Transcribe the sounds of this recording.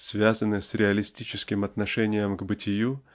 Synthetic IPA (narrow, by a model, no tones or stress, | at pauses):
svʲazənɨsɾʲɪɐlʲɪsʲtʲit͡ɕɪskʲɪmɐt̪nɐʂɛnʲɪjəmɡbɨtʲɪju